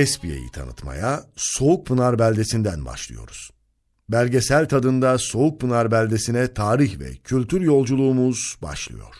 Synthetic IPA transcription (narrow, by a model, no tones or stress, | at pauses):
ɛspijḛjḭt̪ʰa̰nɯ̰t̪ma̰jaso̞uk̚pʰɯnaɾbælʲd̪e̞sind̪ænba̰ʃlˠɯ̰jo̞̰ɾuz̥ | bælʲɟe̞sælʲt̪ʰad̪ɯnd̪aso̞uk̚pʰɯnaɾbælʲd̪e̞sinɛt̪ʰaːɾiçvɛ̰cʰylʲt̪ʰyɾjo̞lˠd͡ʒulˠuːmuz̥ba̰ʃlˠɯ̰jo̞̰ɾ̥